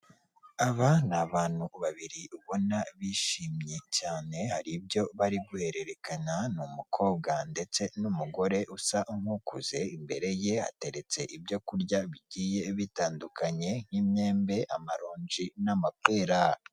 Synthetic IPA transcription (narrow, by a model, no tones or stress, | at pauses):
aβanaβaːn̥huβaβiɾiuβo̞naβiʃiːmɲe̞caːne̞haɾibjo̞βaɾiɡuhe̞ɾe̞ɾe̞kananumukʰo̞ːbɡande̞t͡se̞numuɡo̞ɾe̞ʔusaʔuŋ̥hukʰuz̥e̞imbe̞ɾe̞je̞ha̰te̞ɾe̞t͡se̞ʔibjo̞kuɾɟaβiɟiːje̞βitaːndukaɲe̞ŋ̥hiːmɲe̞ːmbe̞ʔamaɾoːɲd͡ʒinamateːɾa